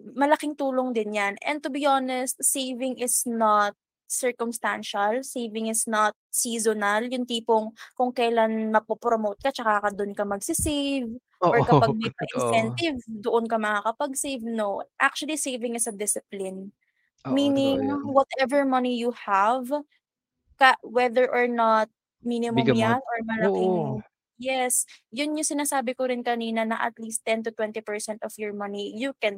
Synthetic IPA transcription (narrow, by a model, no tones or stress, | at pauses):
mɐlɐkiŋt̪uːloŋd̪ɪnjanʔɛ̰̃nt̪ʊbiʔonɛst̪̚sejvɪŋɪsnat̪̚ | sɛɹkʊmst̪anʃɐlsejvɪŋɪsnat̪̚siːzonɐljʊŋt̪iːpoŋkʊŋkɐjlanmɐpopɹomowt̪̚kɐt͡ʃɐkakɐd̪ʊnkɐmɐɡsɪsejv | ʔɔɹkɐpaɡ̚mɛjpɐʔɪnsɛnt̪ɪvd̪oʔonkɐmɐŋakɐpɐɡsejvnoʔak̚t͡ʃuɐlisejvɪŋɪsɐd̪ɪsɪplɪn | miːnɪŋwɔt̪ʔɛvɛɹmɐnijuhav | kɐwɛðɛɹʔɔɹnat̪̚ | minɪmʊmjanʔɔɹmɐlaki | jɛsjʊnjʊŋsɪnaːsaːbɪkoɾɪnkɐniːnɐnɐʔɐ̰t̪list̪ːɛnt̪ʊt̪wɛ̃nt̪ipɛɹsɛnt̪ɔfjɔɹmɐnijukɛn